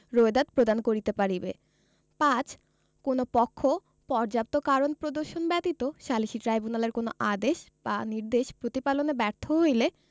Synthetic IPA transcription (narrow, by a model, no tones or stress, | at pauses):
ɾoed̪ad̪̚pɾod̪ankoɾit̪epaɾibḛ | pãt͡ɕ | konopɔkʰːo | pɔɾd͡ʑap̚t̪okaɾonpɾod̪oɾʃonbɛt̪it̪oʃaliʃiʈɾajbunaleɾkono̰ʔad̪eʃb̥aniɾd̪eʃpɾot̪ipalonebɛɾt̪ʰoɦojle